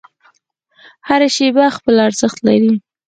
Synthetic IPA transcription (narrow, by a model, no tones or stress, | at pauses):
haɾaʃebaxpəlaɾzəxt̪laɾi